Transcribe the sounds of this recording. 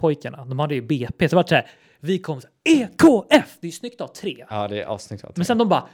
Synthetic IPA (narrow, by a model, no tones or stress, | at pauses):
pʰɔjkaɳad̪ɔmhad̪ːəjəbeːpeːsd̪ɾvaʈːsɔhæːɾ | vɪkʰɔmːs | eːkʰoːɛfd̪ɛjʏsnʏkt̪avt̪ʰɾeːɑːd̪ɛʔɑ̰ːsnʏkt̪a̰mɛnsɛnd̪ɔmbɑː